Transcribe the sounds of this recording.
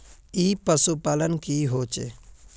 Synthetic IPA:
iːpəsupaːlənkiɦoːt͡ʃḛ

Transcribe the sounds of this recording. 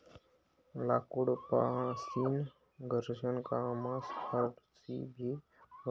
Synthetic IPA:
laːkuɽpã̰ːsin | ɡəɾd͡ʒənkamãːspʰaɾʈsḭːbʱiː

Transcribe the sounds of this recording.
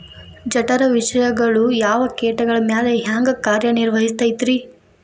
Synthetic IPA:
d͡ʒɐʈɐɾɐʋiʃɐjɐɡɐɭujaːʋɐkeːʈɐɡɐɭɐmjaːleɦaːŋɡɐkaːɾjɐniɾʋɐɦist̪ɐjt̪ɾi

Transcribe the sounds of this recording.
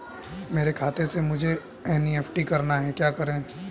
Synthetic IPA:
meːɾekʰaːt̪ʰesemʊd͡ʒʱe | ɛːniɛːpʰʈikɐɾnaɦɛkjaːkɐɾẽ

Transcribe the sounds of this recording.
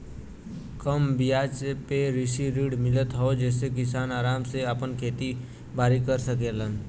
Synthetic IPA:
kəmbijaːt͡ʃpeɾɪsiɾiːɖmɪlət̪ɦood͡ʒɛːsekɪs̬aːnaːɾaːmseəpənkʰeːt̪i | baːɾikəɾsəkelən

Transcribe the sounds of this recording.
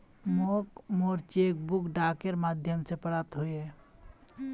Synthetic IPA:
moːkmɔːɾt͡ʃekbukɖaːkeɾmaːd̪ʱjəmsepəlap̚t̪ɦoiɛ

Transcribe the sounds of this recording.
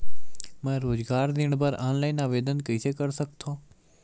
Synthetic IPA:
mɛ̃ːɾoːzɡaːɾd̪ɪɳ̃bəɾaːnlaːiːnaːʋeːd̪ənkəseːkəɾsəkt̪ʰoː

